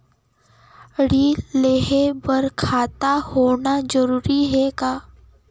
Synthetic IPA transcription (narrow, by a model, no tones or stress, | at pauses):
ɽileːɦebəɾkʰaːt̪ahoːnad͡ʒəɾuːɾiɦɛkaː